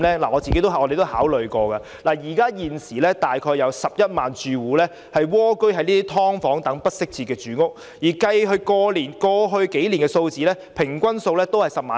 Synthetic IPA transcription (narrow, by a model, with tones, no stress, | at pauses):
lɛː˥laː˨˩ŋɔː˨˧t͡si˨ke˦˥jt̪o˥wɔ˨˧de˨jt̪o˥whaː˨˥wlɵ˨ɥkɔː˧kaː˧ | laː˨˩jiː˨˩kaː˥jiː˨nsiː˨˩lɛː˥t̪aː˨jkʰɔː˧jɐ˨˧wsɐ˨p̚jɐ˥t̚maː˨nt͡ʃyː˨˧wuː˨˧lɛː˥ | hɐ˨jwɔː˥kɵ˥ɥɦɐ˨jniː˥t̪i˥t̪ʰɔː˥ŋfɔː˨˥ŋt̪ɐ˨˥ŋpɐ˥t̚sɪ˥k̚t͡sʰiː˨t̚kɛː˧t͡ʃyː˨˧ŋʊ˥k̚ | jiː˨˩kɐ˧jɦɵ˧ɥkɔː˧liː˨˩nkɔː˧ɦɵ˧ɥke˨˥jliː˨˩nkɛː˧so˧wt͡siː˨˥lɛː˥pʰɪ˨˩ŋkʷɐ˥nso˧wlɛː˥t̪o˥whɐ˨jsɐ˨p̚maː˨